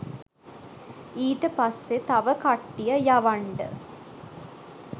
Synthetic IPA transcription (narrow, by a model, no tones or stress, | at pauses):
iːʈɨpɐsːet̪ɐʋəkɐʈːijɐjɐʋɐɳɖə̰